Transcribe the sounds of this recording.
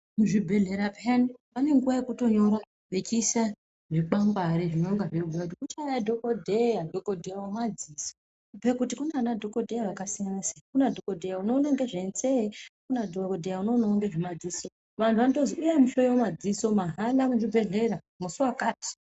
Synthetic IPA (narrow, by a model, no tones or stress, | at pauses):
muʐibʱe̞ɮe̞ɾapʰanipane̞ŋɡuʋajekuto̞ɲo̞ɾa | bet͡ʃisa | ʐik͡paŋɡwaɾiʐinoŋɡaʐeɡʱujakutikut͡ʃajadʱokodʱejadʱokodʱejawomad͡ziːso | pe̞kutikunanadʱo̞kodʱejaʋakasianasḁkunadʱokodʱejauno̞ːnaŋɡe̞ʐe̞nsekunadʱokodʱejauno̞naaŋɡe̞ʐimad͡ziːso̞ | ʋantʰuʋanotoziujemuɬojiwomad͡ziso̞maɦalamuʐibʱe̞ɮe̞ɾa | musuwakaːti̥